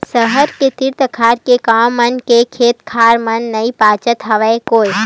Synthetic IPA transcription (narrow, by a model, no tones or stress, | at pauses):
səɦəɾket̪ɪɾt̪əkʰaːɾkekãmːənkekʰeːt̪kʰaːɾmənːəipaːt͡ʃət̪ɦəʋekoːj